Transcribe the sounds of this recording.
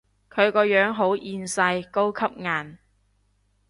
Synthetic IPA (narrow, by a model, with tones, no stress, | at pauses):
kʰɵ˨˧ɥkɔː˧jœː˨˥ŋɦo˨˥wʔiː˧nsɐ˧jko˥wkʰɐ˥p̚ŋaː˨˧n